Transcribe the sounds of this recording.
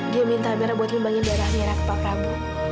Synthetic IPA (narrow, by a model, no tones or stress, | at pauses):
diamint̪ameɾabuat̪̚məmbaŋɪndajɾahmeɾakə̥papɾamu